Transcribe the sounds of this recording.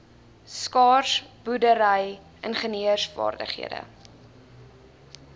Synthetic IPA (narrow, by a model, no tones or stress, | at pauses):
skɑːrsb̥udəɾəj | ənχəniəsfɑ̰ːrdə̰χɦḭədə̰